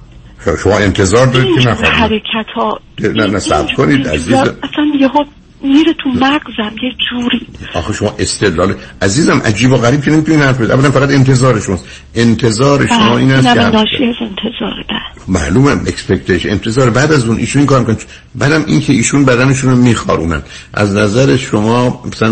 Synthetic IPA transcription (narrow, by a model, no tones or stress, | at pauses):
ʃomɒːe̞nt̪ʰe̞zɒːɾd̪ɒːɾikenæxɒ̰hæɾekʰæt̪ʰɒːd̪enænæsæ̰bkʰoniːd̪æ̰ziːzææsænjeho | miːɾet̪ʰumæɡzæmjed͡ʒuːɾiːɒ̰ːxeʃomɒːʔe̞st̪ʰed̪lɒːleʔæziːzæmʔæ̰d͡ʒiːboɣæɾiːb̚kʰenemit̪uniːnhæɾfbed̪iʔævːælænfæɣæt̪e̞nt̪ʰe̞zɒːɾeʃomɒːst̪ | ʔe̞nt̪ʰe̞zɒːɾeʃomɒːʔiːnæsænːʃiæzent̪ʰezɒːɾebæ | mæ̰luːmæmekspekt̪ʰeʃent̪ʰe̞zɒːɾebæːd̪æzuːnʔḭːʃuniːŋkʰɑːɾmikʰon | bæːd̪æmḭːncʰeiːʃuːnbæd̪æne̞ʃuːnomiːxɒ̰ːɾʔṵːmæ̰d̪ʔæ̰znæzæɾeʃomɒːmæsæn